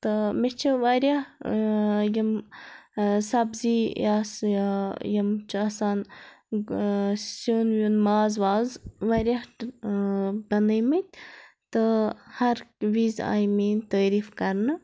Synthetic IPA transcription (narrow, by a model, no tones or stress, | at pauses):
t̪ɨmit͡ʃʰiʋaɾʲja | jim | sɐbzijaːsjajimt͡ʃʰiɐsaːn | sonjunmaːzʋaːzʋɐɾʲjaʈ | bɐnəjmit̪̚ʲ | t̪ɨhɐɾʋiːza̰ːjmiːnt̪əːɾiːfkɐɾnɨ